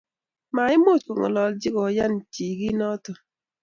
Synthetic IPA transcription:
ma˨ɪ˦mo˦˨tko˨ŋɔ̰˨lɔ˨ld͡ʒɪ˦ɡɔ˨ja˦nt͡ʃi˨ɡi˦nɔ˦tɔ˨

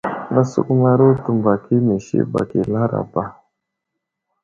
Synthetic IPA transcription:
na˦sṵ˦ku˦ma˦ɾu˦tu˨mba˨ki˦mi˨ʃḭ˦ba̰˨ki˨la˦ɾa̰˨ba˦

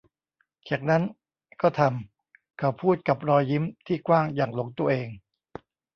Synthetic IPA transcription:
t͡ɕʰaː˨˩k̚na˦˥n | kɔː˥˩t̪ʰa˧m | kʰa˨˩wpʰuː˥˩t̪̚ka˨˩p̚ɾɔː˧jːi˦˥mt̪ʰiː˥˩kwaː˥˩ŋjaː˨˩ŋlo˩˦ŋt̪u˧ɐʔeː˧ŋ

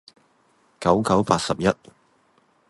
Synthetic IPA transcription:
kɐ˨˥wkɐ˨˥wpaː˧t̚sɐ˨p̚jɐ˥t̚

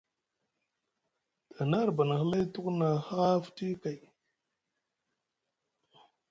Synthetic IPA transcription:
ta˨na˦ɾba˨na˨hə˦la˦tu˦kna˨ha˦fti˦ka˨j

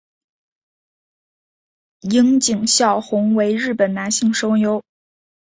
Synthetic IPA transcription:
i˥ŋt͡ɕi˨˩ŋɕjɑ˥˩ʊxʊ˧˥ŋwe˧˥ɪɻɻ̩˥˩pə˨˩nna˧˥nɕi˥˩ŋʂo˥ʊjo˧˥ʊ

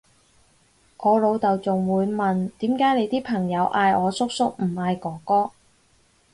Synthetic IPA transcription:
kɔː˨˧lo˨˧wt̪ɐ˨wt͡sʊ˨ŋwuː˨˧jmɐ˨nt̪iː˨˥mkaː˨˥jne˨˧jt̪iː˥pʰɐ˨˩ŋjɐ˨˧wʔaː˧jɔː˨˧sʊ˥k̚sʊ˥k̚m̩˨˩haː˨˧jkɔː˨˥kɔː˥

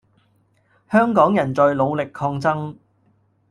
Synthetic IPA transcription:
hœː˥ŋkɔː˨˥ŋjɐ˨˩nt͡sœ˨ɥlo˨˧wlɪ˨kʰːɔː˧ŋt͡sɐ˥ŋ

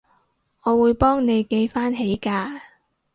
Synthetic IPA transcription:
ŋɔː˨˧wuː˨˧jpɔː˥ŋne˨˧jke˧jfaː˥nɦe˨˥jkaː˧

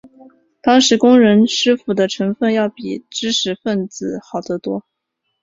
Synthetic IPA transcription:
t̪ɑ˥ŋʂɻ̩˧˥kʊ˥ŋɻə˧˥nʂɻ̩˥fu˨˩d̪ə˦ʈ͡ʂʰɤ˧˥ŋfə˥˧njɑ˥˩ʊpi˨˩ʈ͡ʂɻ̩˥ʂʰɻ̩˧˥fə˥˩nt͡sɹ̩˨˩xɑ˨˩ʊd̪ə˧˥t̪wɔ˥

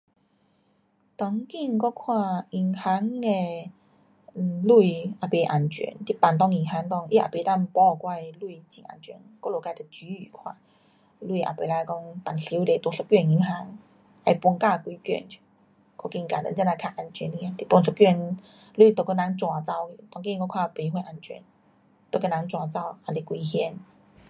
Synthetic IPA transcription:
t̪ɔ˧˦ŋki˥˧ŋkɔ˦˧kʰwã˥˧i˧˩ŋha˧˦ŋe˧˨ | lu˥˧ia˨˩pe˧˩ʔa̰˨˩nt͡ɕɥɛ̰˧˦nt̪i˦pa˨˩nt̪̬ɔ˧ŋi˨˩ŋɦa˧˥ŋk̪ɔ˥˧ŋʔḭ˦a̰˨˩pe˧ta˧mpɔ˧kwa˥˧jlu˥˧it͡ɕḭ̃˨˩ŋa̰˨˩nt͡ɕɥɛ˧˩˦nkɔ˥˦˧lo˨˩ka˧jt̪ə˧t͡ɕy˨˧˦y˨˩kʰwã˧˨ | lu˧˨ʔa̰˨˩pe˧˩la˧kɔ˧ŋpa˨˩nsi˧˦wle˨˧˩t̪wɔ˧sə˧kɥɛ˥˧˨ni˧˦ŋɦa˧˦ŋ | a˧jpwɔ˧ŋka˥˧˨kwi˧kɥɛ̰˥˧˨n˧ | kɔ˧˩ki˧ŋka˨˩də̰˨˧˦t͡ɕa˧na˧kʰa˧ʔa˧˩nt͡ɕʰɥɛ˧˦ni˧jã˧t̪i˧˦pɔ˧ŋsə˧kɥɛ˥˧˨n | lu˥˧i˧t̪o˧kə˧na˨˧˦ŋt͡swa˨˧t͡sa˥˧˩ʊ˧t̪ɔ˧ŋkĩ˥˧kɔ˧kʰwa˥˧˨pe˧we˧ʔa˨˩nt͡ɕɥɛ̰˧˦n | t̪o˧kə˧na˧˦ŋt͡swa˨˧t͡sa˥˧˩wa˨˩li˧kwi˧hjɛ˧˦n

